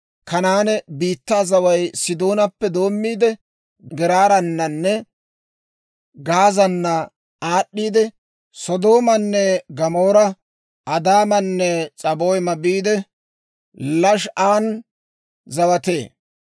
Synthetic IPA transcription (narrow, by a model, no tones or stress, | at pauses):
kɐnaːnɛbiːt̪ːaːzɐwɐjsɪd̪o̞ːnɐpːɛd̪o̞ːmːiːd̪ɛ | ɡɪɾaːɾɐnːɐnːɛ | ɡaːzɐnːɐ | aːɗːiːd̪ɛ | sɔd̪oːmɐnːɛɡɐmoːɾɐ | ɐd̪aːmɐnːɛt͡ʃʼɐboːjmɐbiːd̪ɛ | lɐʃaːn | zɐwɐt̪e̞̰ː